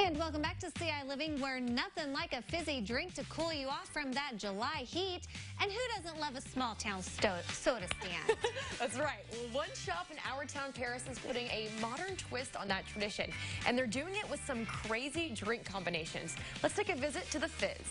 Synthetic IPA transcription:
ɨ̃nwɛlˠkmbæk̚tɨsiaɪlɪvɪ̃ŋwə˞nʌθɪ̃ŋlaɪkɨfɪzidɹɪ̃ŋk̚tʰɨkʰulˠjɨɔfɹʌ̃mðɨt̚d̥ʒ̥əlaɪhiɾ | ɨ̃nhʉɾʌzə̃nʔˡlʌvəsmɔlˠtʰãʊ̃nstoʊsoʊɾɨstæ̰̃nðætsɹaɪt̚wʌ̃nʃɑpɨ̃na̰ʊə˞tʰãʊ̃npʰɛɹɨsɨz̥pʰʊɾɪ̃ŋʔɨmɑɾə̃˞ntʰw̥ɪstn̩ðɨtʰɹ̥ɨdɪʃɨ̰̃nʔɨ̰̃nðə˞dʉɪ̃ŋɪʔ̚wəð̥sʌ̃mkʰɹ̥eɪzidɹɪ̃ŋkʰɑ̃mbɨneɪʃɨ̰̃nz̥lətstʰeɪkɨvɪzɨtʰɨðəfɪ̰z̥

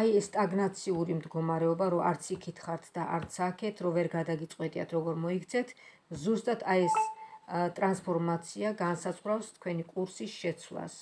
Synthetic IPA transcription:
aiɛst̪ʼaɡnat̪sʰiuɾimd̪ɡɔmaɾɛɔbaɾɔaɾt̪sʰikʰit̪ʰχaɾt̪ʰd̪aʔa̰ɾt̪sʰakʰɛt̪ʰɾɔvɛɾɡad̪aɡit̪sʼqʼwɛt̪ʼia̰t̪ʰɾɔɡɔɾmɔikʰt̪sʰɛt̪ʰ | zust̪ʼat̪ʰaɛs | t̪ʼɾanspʰɔɾmat̪sʰiaɡansasχɾafst̪ʰkʰwɛnikʼuɾsisʃɛt̪sʰwlˠa̰s

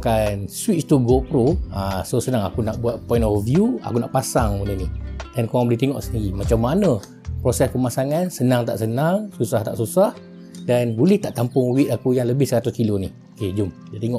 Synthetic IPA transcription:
kanswit͡ʃt̪uɡopɾoasosənaŋa̰kunaʔbuat̪̚pɔĩnɔfvjua̰kunaʔpasaŋmunənihdankoaŋbəlɛht̪ɛŋɔʔsəndiɾimat͡ʃamːanə̃ | pɾosɛskəmasaŋansənaŋt̪a̰ʔsənaŋsusaht̪a̰ʔsusah | danbulɛht̪aʔt̪ampʊŋwit̪̚akujaŋləbɪhsəɾat̪uskilonihoked͡ʒʊmdat̪eŋɔʔ

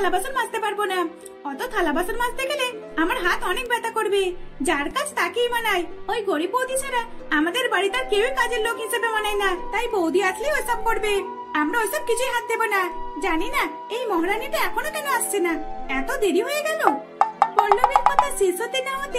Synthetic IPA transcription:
labasɔɾmast̪epaɾbona | ɔt̪ɔt̪ʰalabasɔɾmãst̪eɡeleamɔɾɦat̪ɔnek̚bɛt̪akɔɾbed͡ʒaɾkad͡ʒt̪akijmanajojɡoɽibowd̪isaɾaamad̪eɾbaɽit̪aɾkewikad͡ʒeɾlokɦisabemanajnat̪aɦjbowd̪ʱiat̪ʰleojsab̚kɔɾbe | amɽɔojsɔb̚kit͡ʃʰujɦat̪̚d̪ebɔnad͡ʒanina | ejmɔɦɽaniʈ̪eɛkʰɔnɔkɛneast͡ʃʰenaɛt̪ɔd̪eɾiɦojeɡalo | pɔɾlobit̪kɔt̪asisɔt̪inamɔt̪e

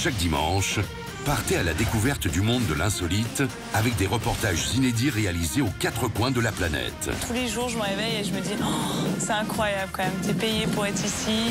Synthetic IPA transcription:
ʃak̚d̪imɑ̰̃ʃ | paʁt̪ealad̪ekuvɛʁt̪d̪ymɔ̃d̪ːəlɛ̃sɔlit̪ | avɛk̚d̪eʁəpɔʁt̪aʒzined̪iʁealizeokat̪χəkwɛ̃d̪əlaplanɛ̰t̪t̪uleʒuʁʒəməʁevɛjeʒəməd̪isɛɛ̃kχwajabləkɑmɛmt̪epejepuʁɛt̪χisi

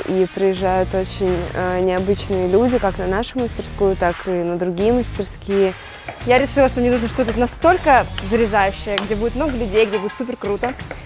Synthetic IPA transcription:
ʔipɾəjɪʐːajʊt̪ot͡ɕɪnʲənʲɪɐbɨt͡ɕnɨjəlʲudʲɪkaknɐnaʂʊməsʲtʲɪrskujʊt̪akɨnəd̪ɾʊɡʲijəməsʲtʲɪrskʲijə | jaɾʲɪʂɨlˠəʂt̪omnʲenuʐnəʂt̪ot̪ut̪nɐst̪o̞lʲkəzəɾʲɪzajʉɕːɪjəɡdʲebudʲɪt̪mno̞ɡəlʲʉdʲejɡdʲe̞budʲɪt̪supʲɪrkɾut̪ə

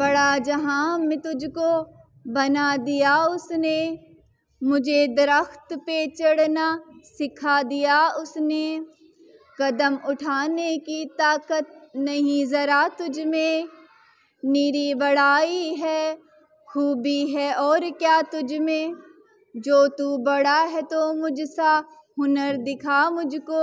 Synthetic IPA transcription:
bɐɽad͡ʒɐɦãːmẽt̪ʊd͡ʒʱko | bɐnad̪ijaʊsne | mʊd͡ʒʱed̪ɐɾəxt̪pet͡ʃɐɽnasɪkʰad̪ijaʊsne | kɐd̪əmʊʈʰaːnekit̪aːkət̪̚nɐɦĩzɐɾat̪ʊd͡ʒmẽ | niːɾibɐɽaːiɦɛː | xuːbiɦɛɔːɾkjaːt̪ʊd͡ʒmẽ | d͡ʒoːt̪ubɐɽaɦɛt̪omʊd͡ʒsa | ɦʊnəɾd̪ɪkʰamʊd͡ʒkoː

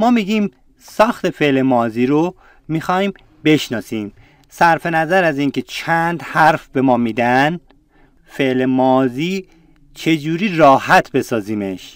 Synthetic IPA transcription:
mɒːmiɟiːm | sɒːxt̪e̞fe̞ʔle̞mɒːziːɾo | miːxɒːiːm | be̞ʃnɒːsiːm | sæɾfe̞næzæɾæziːŋkʰe̞t͡ʃʰænd̪hæɾfbe̞mɒːmiːd̪ænd̪ | fe̞ʔlemɒːziː | t͡ʃʰe̞d͡ʒuːɾiːɾɒːhæt̪ʰbe̞sɒːziːme̞ʃ

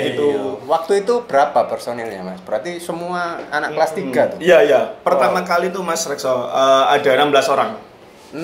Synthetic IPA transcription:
ɡit̪uwak̚t̪uit̪ub̥əɾapapɛrsonɛlɲamasb̥əɾat̪isəmuaanaʔklast̪iɡat̪uijajapərt̪amakalit̪umasɾɛksɔəːada̤nambəlasoɾaŋ

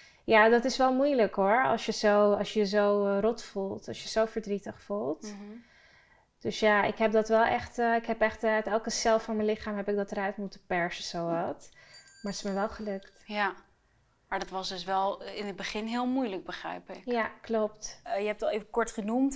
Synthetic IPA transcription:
jaːdɑtɪsʋɛlˠmujləkɦʊɹɑ̰lˠsjəzowɑlˠsjəjəzowrɔtfulˠtɑlˠsjəz̥owvəɹdritəχfulˠt | d̥øsjaɪ̰kɦɛp̚dɑtʋɛlˠʔɛχtəɪkɦɛpɛχttɛlˠkəsɛlˠfʊːɹmənlɪχaːmɦɛpɪɡ̚dɑtəɾœɥtmutəpɛɹsəsowɑt | maːɹɪsməʋɛlˠχəlɵktja | maːɹdɑtʋɑsdɵsʋɛlˠɪnəd̚bəχɪnɦɪlˠmujləɡ̚bəχrɛ̰jpɪkjaklɔp̚tjəɛp̚tɑlˠejfəkɔɹtχənumt

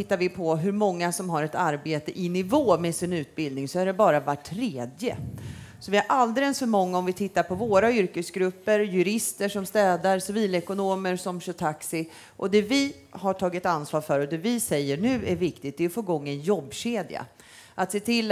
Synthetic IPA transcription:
ɪt̪ːaɾvɪpʰɔɦɵɾmɔŋːasɔmɦaɾɛt̪aɾbeːt̪əʔɪnɪvoːmɛsɪnʉ̟ːt̪̚bɪld̪nɪŋsɔæɖɛbɑːɾavaʈʰːɾeːd̪jə̰sɔvɪhaɾʔald̪ɛlɛnsfœɾmɔŋːaɔmvɪt̪ʰɪt̪ːaɾpʰɔvoːɾaʏɾkəsɡɾɵpːəɾjɵɾɪst̪əʂɔmst̪ɛːd̪aɾsɪviːlɛkʊnoːməɾsɔmɕɵt̪ʰaksɪ | ʔɔd̪ɛvɪ | haʈʰɑːɡɪt̪ansvɑːɾfœɾɔd̪ɛvɪsɛjːəɳʉ̟ːæɾvɪkt̪ɪɡ̪̚d̪ɛɔfoːɡɔŋːɛnjɔbːɕeːd̪ja̰ | ʔat̪seːt̪ʰɪlː

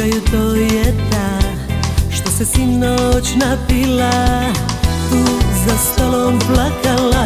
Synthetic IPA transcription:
ajut̪ojɛt̪a | ʃt̪osɛsinot͡ʃnapila | uzast̪alomplakala

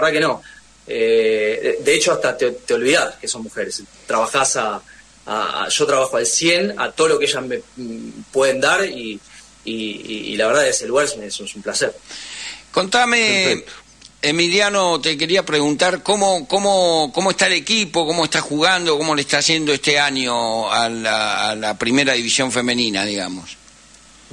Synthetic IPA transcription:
aβeɾðakeno̞ | e | d̪eet͡ʃoast̪at̪et̪eo̞lβiðaskesommuxeɾest̪ɾaβaxasa | a̰a̰ʒ̥o̞t̪ɾaβaxoalsje̞na̰t̪oðolo̞keeʒasmepwe̞ðend̪aɾiː | ḭlaβeɾðaeseluɣaɾesessumplaseɾ | ko̞nt̪ame | emiljano̞t̪e̞k̬e̞ɾiapɾeɣunt̪aɾkomokomokomoe̞st̪aele̞kipo̞ko̞moest̪axuɣand̪okomo̞leest̪aːsje̞nd̪oest̪e̞aɲo̞aaalapɾime̞ɾaðiβisjo̞ɱfe̞mẽ̞nĩnaðiɣa̰mos

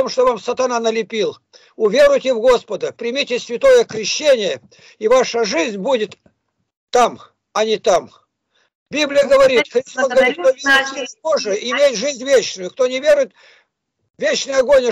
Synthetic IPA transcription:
t̪omʂt̪ovamsət̪ɐnanəlʲɪpʲilˠ | ʊvʲerʊjtʲɪvɡo̞spəd̪əpɾʲɪmʲitʲɪsʲvʲɪt̪o̞jəkɾʲɪɕːenʲɪjə | ivaʂəʐɨzʲnʲbudʲɪt̪ː | am | ɐnʲɪt̪am | bʲiblʲɪjəɡəvɐɾʲit̪xɾʲɪst̪osɡəɐvɐɾit̪̚ovʲiɪtsʲipoʐɨɪmʲetʲʐɨzʲnʲvʲet͡ɕnʊjʊk̚t̪onʲɪvʲeɾʊjɪt̪ | vʲet͡ɕnəjɐɡonʲə

